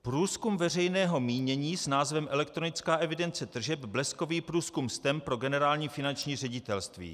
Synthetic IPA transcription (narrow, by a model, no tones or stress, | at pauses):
pɾuːskumvɛr̝ɛjnɛːɦo̞miːɲɛɲiːsnaːzvɛmʔɛlɛk̚t̪ɾo̞nɪt͡skaːʔɛvɪdɛnt͡sɛt̪r̩ʒɛbblɛsko̞viːpɾuːskumst̪ɛmpɾo̞ɡɛnɛɾaːlɲiːfɪnant͡ʃɲiːr̝ɛɟɪt̪ɛlst̪vḭː